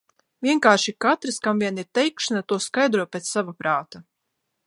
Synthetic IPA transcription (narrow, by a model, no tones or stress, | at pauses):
vʲiɛŋkaːʃikat̪ɾɨskamvʲiɛniɾt̪ɛjkʃanat̪uɔskajd̪ɾuɔpʲet̪savapɾaːt̪a